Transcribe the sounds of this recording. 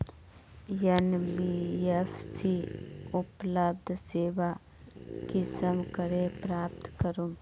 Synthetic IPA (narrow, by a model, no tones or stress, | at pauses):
jənbiefsiʊpləbd̪ʱseːʋa | kisəmkəɾepɾaːp̚t̪kəɾoː